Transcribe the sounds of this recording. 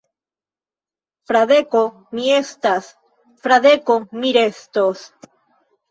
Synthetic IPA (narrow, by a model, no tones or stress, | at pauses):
fɾaðeko | miest̪as | fɾaðekomiɾest̪os